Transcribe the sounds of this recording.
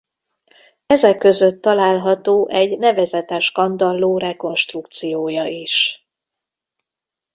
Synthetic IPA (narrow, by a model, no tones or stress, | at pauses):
ɛzɛkːø̞zø̞t̪ːɒlaːlɦɒt̪oːʔɛɟnɛvɛzɛt̪ɛʃkɒnd̪ɒlːoːrɛko̞nʃt̪ruk̚t̪sijoːjɒiʃ